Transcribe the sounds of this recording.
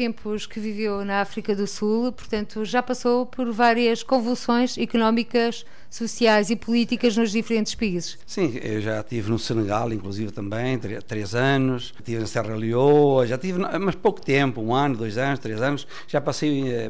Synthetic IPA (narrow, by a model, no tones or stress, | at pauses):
t̪ẽmpuʃkɨvivewnɐafɾikɐðusulˠpuɾt̪ɐ̃nt̪uʒapɐsowpʰɔɾvaɾiɐʃkõvulˠsõj̃ʃikunɔmikɐʃ | susiajzipulˠit̪ikɐʒnuʒðifɾẽnt̪ʃpɐizɨʃsĩḛwʒat̪ivnusɨnɨɣalˠĩŋklˠuzivt̪ɐ̃mbɐ̃j̃t̪ɾet̪ɾezanuʃ | t̪ivnɐsɛʁɐlˠioʒat̪ivnmɐʃpowku̥t̪ẽmpuũanud̪ojzanuʃt̪ɾezanʊʃ | ʒ̥apɐsejɛ